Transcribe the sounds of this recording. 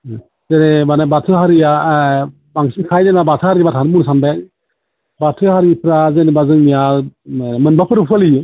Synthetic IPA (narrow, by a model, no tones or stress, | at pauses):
zenebanabatʰɯɦaɾija | baŋsinkʰajdenabatʰahaɾibatʰanbunsanba | batʰɯhaɾipɾazenebazɯŋnija | mɯnbapʰɯɾɯpʰɯalijɯ